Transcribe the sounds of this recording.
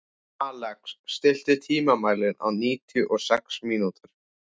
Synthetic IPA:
aːlɛksːt̪ɪl̥t̪ɪt̪ʰiːmamaːjlɪna̰wniːt̪jʏʔɔɣsɛksmiːnut̪ʏɾ̥

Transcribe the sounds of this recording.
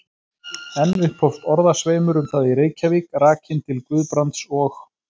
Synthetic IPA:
ɛnvɪhpʰowft̪ɔɾðasveːjmʏɾʏmθaðiɾeːjcavikraːcʰɪnt̪ʰɪlkvʏðpɾant̪sɔx

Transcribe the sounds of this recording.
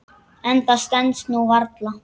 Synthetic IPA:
ɛnt̪ast̪ɛnt̪snuvaɾt̪la

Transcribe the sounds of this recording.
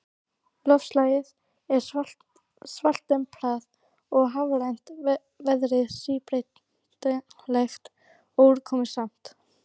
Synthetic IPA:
lœfslaːjɪð | ɛɾ̥ | sval̥t̪ɛmpʰlaːð | ɔɣɦavɾajn̥t̪ | vɛðɾɪðsipɾejt̪ | lɛxt̪ | oːwɾkʰɔːmɪ̥sam̥t̪

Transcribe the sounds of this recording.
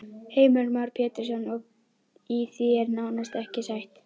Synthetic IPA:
heːjmœlmawɾ̥pʰɛːt̪ɪɾ̥sɔnːɔɣ | iθiɛɾnaːwnast̪ɛhcɪsajht̪

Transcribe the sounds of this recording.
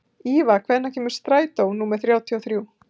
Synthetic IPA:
iːvakʰvɛnːacʰɛːmʏɾ̥st̪ɾaːjt̪ownuːmɛɾ̥θɾjaːwt̪ʰiɔwθɾjuː

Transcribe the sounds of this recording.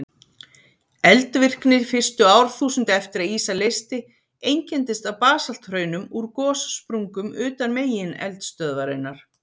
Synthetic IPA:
ɛlt̪vɪr̥knɪð̥fɪr̥st̪ʏaːwɾ̥θuːsʏnt̪ɛft̪ɪɾaðiːsalejst̪ɪ | ejɲcɛnt̪ɪst̪awpaːsal̥t̪hrœːɥnʏmuɾkɔːsspɾuŋkʏmʏːt̪anmeːjɪnɛ̰lt̪st̪œðvaɾɪnːaɾ̥

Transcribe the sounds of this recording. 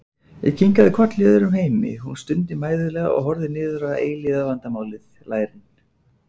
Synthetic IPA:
ḭcʰiŋkaðɪkʰvɔr̥t̪ljɛːðʏɾʏmheːjmɪ̰hunst̪ʏnt̪ɪmaːjðʏlɛːɣaɔ̰ɣɦɔɾðɪnɪːðʏɾaða̰ʔeːjlɪðavant̪amaːwlɪðlaːjɾɪn

